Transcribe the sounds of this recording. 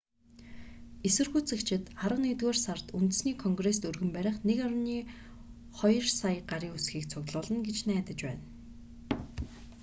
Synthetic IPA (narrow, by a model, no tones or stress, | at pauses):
esɘ̆rɣuːt͡sĕkt͡ɕʰɪ̆t̪aɾə̆net̪ɣoːrsart̪unt̪ɘ̆sniːkʰɔŋɡres̬t̪ɵrɣɘ̆mpæɾʲɪ̆χnekaɾ̆niː | χɔjɞ̆rsajɢaɾiːŋusxiːk̚t͡sʰʊɣt̪ɮʊːɮə̆nɡet͡ɕnæːt̪ə̆t͡ɕpæ̰ːn